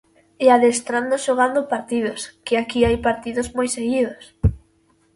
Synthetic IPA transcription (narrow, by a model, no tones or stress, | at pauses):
eaðest̪ɾand̪oʃoɣand̪ʊpaɾt̪iðʊskɪakiajpaɾt̪iðʊzmojseɣiðʊs